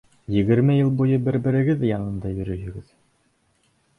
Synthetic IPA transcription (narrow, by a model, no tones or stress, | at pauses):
jɘ̆ɡɘ̆ɾmɘjɤlˠbujɤbɘɾbɘ̆ɾɘ̆ɡɘðɘjɑnɤ̆nd̪ɑjɵ̆ɾɵ̆ɦɵ̆ɡɘð